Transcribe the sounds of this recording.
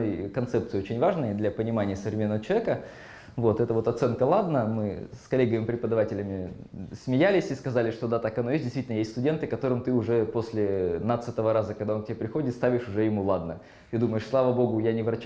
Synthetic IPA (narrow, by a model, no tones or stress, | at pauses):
jkɐnt̪sɛpt̪sɨɪot͡ɕɪnʲvaʐnəjəd̪lʲɐpənʲɪmanʲɪjəsəvɾʲɪmʲenːəvət͡ɕɪlˠɐvʲekə | vo̞t̪ɛt̪əvo̞t̪ɐt̪sɛnkəlˠad̪nəmɨ̰skɐlʲeɡəmʲɪpɾʲɪpəd̪ɐvatʲɪlʲɪmʲɪsmʲɪjælʲɪsʲiskɐzalʲɪʂt̪o̞d̪at̪akɐnojes̬ʲtdʲɪst̪vitɪnəjesʲtʲst̪ʊdʲe̞nt̪ɨkɐt̪o̞ɾɨmt̪ɨʊʐɛpo̞sʲlʲɪnat̪sɨt̪əvəɾazəkɐɡd̪aonktʲɪbʲepɾʲɪxo̞dʲɪt̪st̪avʲɪʂʊʐɛjɪmulˠad̪nə | t̪ɨd̪uməjɪʂslˠavəbo̞ɡʊjanʲɪvɾɐt͡ɕ